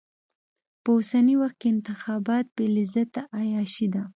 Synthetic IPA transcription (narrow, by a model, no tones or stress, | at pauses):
pəosaniwaxt̪̚keɪnt̪ɪxɑbɑt̪̚belizat̪aʔajɑʃid̪a